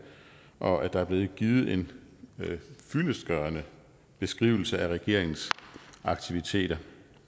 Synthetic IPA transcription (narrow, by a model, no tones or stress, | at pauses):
ʔɒ̽ʔæd̥ɑ̈æɐb̥le̝ːð̩ˠɡ̥iːð̩ˠe̝n | fyləsɡ̥ɶɐnə | b̥e̝sɡ̥ʁḭːʊl̩səæʁɛɡ̥e̝̰ɐ̰eŋn̩sɑ̈ɡ̥t͡sʰiʋit͡sʰe̝̰ːɾ̥ɐ